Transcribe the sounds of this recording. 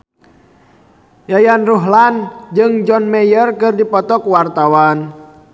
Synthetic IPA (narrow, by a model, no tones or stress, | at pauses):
jajanruɦland͡ʒɨŋd͡ʒɔnmɛjərkɨrdipɔt̪ɔkwart̪awan